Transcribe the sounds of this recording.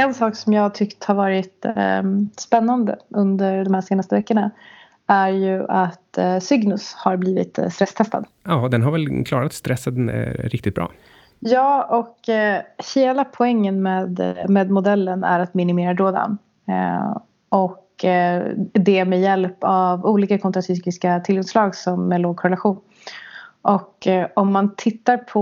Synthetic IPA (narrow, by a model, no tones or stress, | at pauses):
ɛnsɑːksɔmjɑːɡt̪ʰʏkt̪haɾvɑːɾɪt̪ | spɛnːand̪ə̰ɵnd̪əɾɖ̪ɔmhæːʂeːnast̪əvɛkːəɳa | æɾjɵʔat̪sʏɡnɵshaɾbliːvɪ̰t̪st̪ɾɛst̪ʰɛst̪a̰d̪ | ɑːd̪ɛnɦaɾvɛlkʰlɑːɾat̪st̪ɾɛsːəd̪ɛ̰ɾɪkt̪ɪt̪̚bɾʔɑ̰ː | jɑːɔk | heːlapʰɔɛŋːənmeːd̪meːd̪mʊd̪ɛlːənæ̰ɾat̪mɪnɪmeːɾad̪ɾoːd̪a̰n | ɔk | d̪ɛmɛjɛlpavuːliːkakʰɔnt̪ɾasʏːkɪskat̪ʰɪlɡɔŋslɑːɡsɔmːɛloːɡ̚kʰɔɾɛlaɧuːn | ʔɔkːɔmːant̪ʰɪt̪ːaɾpʰɔ